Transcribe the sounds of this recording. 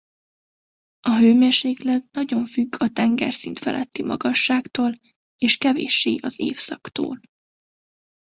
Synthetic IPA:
ɒɦøːmeːrʃeːklɛd̪nɒɟo̞ɱfyɡʰɒt̪ɛŋɡɛ̰rsint̪fɛ̰lʔɛt̪ːimɒ̰ɡɒʃːaːkt̪oːl | eːʃkɛvḛːʃːeːʔɒzḛːfsɒkt̪o̰ːl

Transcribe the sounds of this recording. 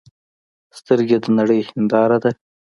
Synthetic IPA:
st̪əɾɡʲed̪ənaɽəjhɪnd̪ɑɾad̪a

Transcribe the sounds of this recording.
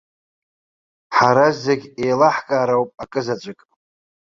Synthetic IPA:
ħaɾazeɡʲejlaħkʼaːɾawpʼakʼɨzat͡ʃʷʼakʼ

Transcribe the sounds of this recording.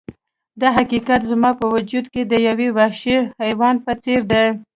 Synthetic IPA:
d̪ɑɦakikat̪zmɑpəwʊd͡ʒud̪ked̪əjawewaʃihajwɑnpət͡seɾd̪ej

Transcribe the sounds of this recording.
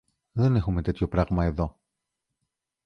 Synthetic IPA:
ðe̞nexume̞t̪e̞t̪ço̞pɾɐɣmɐe̞ðo̞

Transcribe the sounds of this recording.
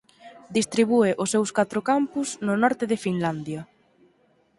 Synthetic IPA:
d̪ist̪ɾiβ̞ueʔʊsɛwskat̪ɾʊkampʊznʊnɔɾt̪ɪðɪfinland̪jɐ

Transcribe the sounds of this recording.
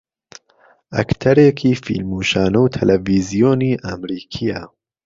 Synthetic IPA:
ʔɐ̰kt̪ʰɐɾeːkʰiːfḭlmuːʃaːnɐwt̪ʰɐlʔɐviːzijoːniːʔamɾiːkʰijɐ

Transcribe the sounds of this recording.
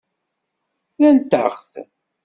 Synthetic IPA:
jænt̪ːə̰χθ

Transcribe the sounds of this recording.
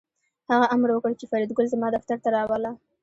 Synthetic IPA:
haɣaʔamɾwəkəɽt͡ʃefaɾid̪ɡʊlzamɑd̪aft̪aɾt̪aɾɑwəla

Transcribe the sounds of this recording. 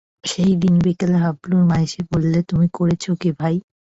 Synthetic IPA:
ʃejd̪inbikeleɦabluɾmaeʃebolːet̪umikoɾet͡ɕʰokibʱaj

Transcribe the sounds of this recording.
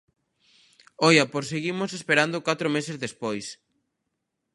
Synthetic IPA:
ojapoɾs̬eɣimʊsespeɾand̪ʊkat̪ɾomesezðespojs

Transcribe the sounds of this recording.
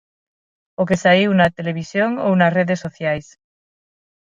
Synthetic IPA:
okesaiwnat̪eleβ̞isjoŋownasreðesːoθjajs

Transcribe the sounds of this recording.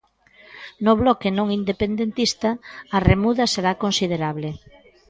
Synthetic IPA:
noβlɔkenõŋind̪epend̪ent̪ist̪ɐːremuðɐseɾakonsið̞eɾaβle

